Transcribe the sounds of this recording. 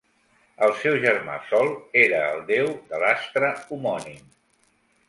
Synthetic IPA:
əlˠsɛwʒərma̰sɔlˠeɾəːlˠd̪ewd̪əlast̪ɾəumɔnim

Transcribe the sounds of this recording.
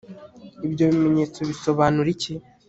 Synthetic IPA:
ibɟo̞βime̞ɲeːt͡so̞βiso̞βaːnuɾici

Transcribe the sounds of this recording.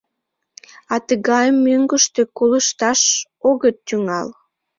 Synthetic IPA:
ɑt̪əɣɑjəmːøŋɡəʃt̪ekoləʃt̪ɑʃ | oɣət̪ːyŋɑl

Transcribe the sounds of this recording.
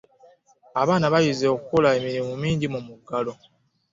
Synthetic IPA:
aβaːnaβajizeokukolaemiɾimumiːɲɟimumuɡalo̞

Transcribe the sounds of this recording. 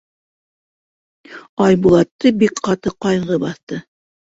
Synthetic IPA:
ɑjbulˠɑt̪ːɤbikqɑt̪ɤqɑjʁɤbɑθt̪ɤ

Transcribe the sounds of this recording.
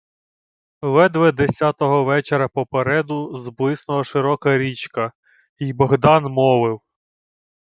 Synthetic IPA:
lˠɛd̪ʋɛd̪esʲat̪ɔɦɔʋɛt͡ʃeɾɐpɔpeɾɛd̪ʊzblˠɪsnɔɦɔʃɪɾɔkɐɾʲit͡ʃkɐ | ijbɔɦd̪ɑnmɔʋɪw

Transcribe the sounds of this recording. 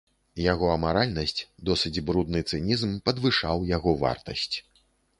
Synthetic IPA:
jaɣɔɐmaɾalʲnɐsʲt͡sʲd̪ɔsɨd͡zʲbɾud̪nɨt̪sɨnʲizmpɐd̪vɨʂawjaɣɔva̰rt̪ɐ̰sʲt͡sʲ

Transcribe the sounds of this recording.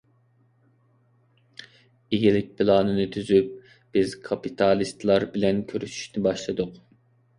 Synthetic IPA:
iɡʲilɪk̚ʲpʰɪlˠɑːnɨnɨt̪ʰyzyp̚ | b̥ɪz̥kʰɑpit̪ʰɑlˠist̪lˠɑɾbɪlɛnkʲʰøɾyʃy̥ʃnɪbɑʃlˠɨd̪ʊq

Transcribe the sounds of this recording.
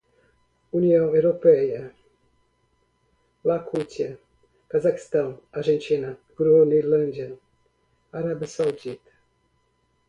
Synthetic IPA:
uniɐ̃w̃ewɾopɛjɐ | lakʰut̪iɐ | kazaki̥st̪ãw̃aɾʒẽnt̪inɐɡɾunelɐ̃nd̪ɐ | aɾabsawd̪it̪

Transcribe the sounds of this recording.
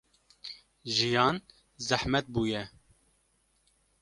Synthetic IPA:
ʒijɑːn | zæhmɛt̪̚buːjɛ

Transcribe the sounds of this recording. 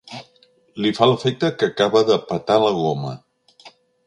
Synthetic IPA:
lifaləfek̚t̪əkəkaβəðəpət̪aləɣ̞omə̰

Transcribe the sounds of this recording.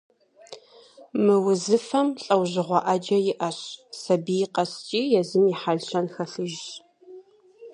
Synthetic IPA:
mɨwʊzɨfɐmɬʼɐwʑɪʁʷɔʔɐd͡ʒɐjɪʔɐɕsɐbijqɐst͡ʃʼiːjɛzɨmiħaɮɕɐnxɐɬɨʒ

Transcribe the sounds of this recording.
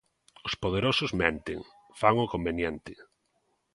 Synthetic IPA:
ospoð̞eɾosʊzmɛnt̪ḛŋ | faŋʊkombenjɛnt̪ɪ

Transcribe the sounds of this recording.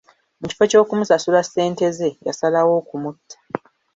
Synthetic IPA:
muci̥fo̞co̞ːkumusasulasːe̞ːnte̞ze̞ja̰salawo̞ːkumutʰːḁ

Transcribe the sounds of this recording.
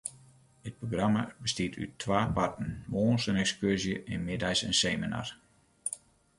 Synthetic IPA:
ət̚proɡrama̰bəstiətʰy̰tʰʋaːpartən̩ʋoːnsənɛkskyrzjəʔɪnmɪdajsɛnseːmina̰r

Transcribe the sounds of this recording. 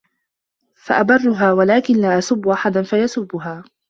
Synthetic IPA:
fa̰ʔabɑrˤːʊɦaːwalaːkɪnlaːʔasʊbːʊʔaħad̪anfajasʊbːʊɦaː

